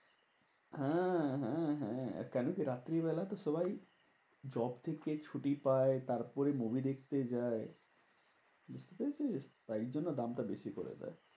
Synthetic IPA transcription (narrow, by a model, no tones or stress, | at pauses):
hɛ̃ɦɛ̃ɦɛ̰̃kɛnokiɾat̪ːɾibɛlaet̪oʃɔbaj | d͡ʑɔbt̪ʰeket͡ɕʰuʈipaet̪aɾpɔɾemobʱid̪ekʰt̪ed͡ʑae | bust̪epeed͡ʑet̪aiɾd͡ʑonːod̪amʈabeʃikoɾḛd͡ʑa̰e